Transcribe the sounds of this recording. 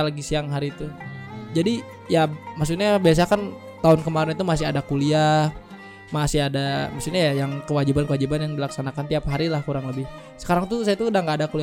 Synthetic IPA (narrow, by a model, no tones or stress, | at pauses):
laɡisiaŋɦaɾit̪ud͡ʒadi | jamas̬utɲabias̬akan | t̪aʊnkəmaɾɪnit̪umasɪɦadakulia | masɪadamaksuɲajajaŋkəwad͡ʒibankəwad͡ʒibanjaŋdilaksanakant̪iapɦaɾilahkuɾaŋləbɪh | sə̥kaɾaŋt̪usajat̪udaŋɡaːdakuli